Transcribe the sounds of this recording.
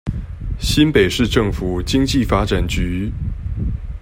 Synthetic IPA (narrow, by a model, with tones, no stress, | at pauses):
ɕi˥npe˨˩ɪʂɻ̩˥˧ʈ͡ʂɤ˥˩ŋfu˨˩t͡ɕi˥ŋt͡ɕi˥˨fa˥ʈ͡ʂa˨˩nt͡ɕy˧˥